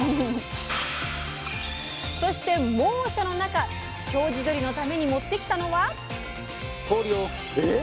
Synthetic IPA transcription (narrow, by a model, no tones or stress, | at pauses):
so̞ɕi̥t̪e̞mõ̞ːɕano̞naka | ɕo̞ːʑid̪o̞ɾʲino̞t̪ame̞ɲ̟imo̞t̪ːe̞kʲi̥t̪ano̞βa | soːɾʲio